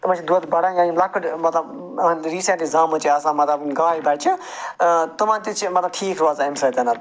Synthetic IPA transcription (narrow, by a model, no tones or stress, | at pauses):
t̪umãnt͡ʃʰid̪t̪bɐɽããːilɐkʰːəʈmɐt̪lɐb | nɾiːsẽɳʈizaːmut͡ʃʰiɐsãːmɐt̪lɐbɡaːibɐt͡ʃʰi | t̪umãnt̪it͡ʃʰimɐt̪lɐb̚ʈʰiːkʰɾaːzaemsɐt̪enat̪